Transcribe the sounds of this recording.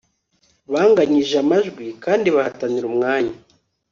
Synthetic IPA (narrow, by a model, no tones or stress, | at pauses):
βaːŋɡaɲiʒamaʒɡwikaːndiβahataniɾumŋaːɲa